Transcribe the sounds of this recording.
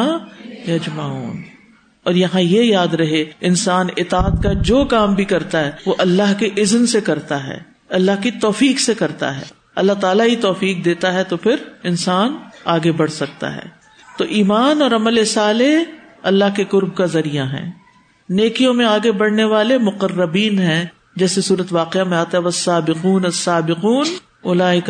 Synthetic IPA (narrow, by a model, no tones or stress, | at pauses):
jɐd͡ʒmaːṵːn | ɔːɾjɐɦãjejaːd̪ɾɐɦeɪnsaːnɪt̪aːət̪kad͡ʒoːkaːmbʱikɐɾt̪aɦɛːʋoʔɐlːaɦkeʔɪznsekɐɾt̪aɦɛ̰ː | ɐlːaɦkit̪ɔːfiːksekɐɾt̪a̰ɦɛ̰ː | ɐlːaɦt̪aːlaɦit̪ɔːfiːk̚d̪eːt̪aɦɛt̪opʰɪɾɪnsaːnaːɡebɐɽ̤sɐk̚t̪a̰ɦɛ̰ː | t̪oːʔiːmaːnɔːɾɐməlɪsaːle | ɐlːaɦkekʊɾb̚kazɐɾijaɦɛ̰̃ː | neːkijõmẽaːɡebɐɽ̤neʋaːlemʊqərːəbiːnɦɛ̃ | d͡ʒɛːsesuːɾət̪ʋaːqeamẽaːt̪aɦɛʋɐsːaːbɪquːnɐsːaːbɪquːn | ʊlaːɪk